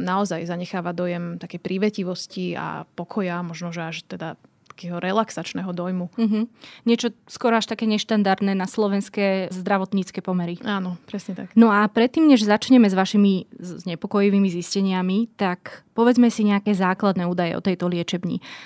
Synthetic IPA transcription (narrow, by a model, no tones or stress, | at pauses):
naɔzajzaɲɛxaːʋad̪ɔjɛmt̪akɛjpɾiʋɛciʋɔscia̰pɔkʰɔjamɔʒnɔʒɛaʃt̪ɛd̪at̪ḁkɛːɦɔɾɛlaksat͡ʃnɛːɦɔd̪ɔjmuɦ̩ɲɪɛt͡ʃɔskɔɾɔaʃt̪akɛːɲɛʃt̪and̪aɾd̪nɛːnaslɔʋɛnskɛːzd̪ɾaʋɔt̪ɲiːt͡skɛːpɔmɛɾiaːnɔpɾɛsɲɛt̪aknɔapɾɛt̪ːiːmɲɛʒzat͡ʃɲɛmɛzʋaʃimizzɲɛpɔkɔjiʋiːmiziscɛɲɪamit̪akpɔʋɛd͡zmɛsiɲɛakɛːzaːklad̪nɛːuːd̪ajɛ̰ɔ̰t̪ɛjt̪ɔlɪɛt͡ʃɛbɲḭ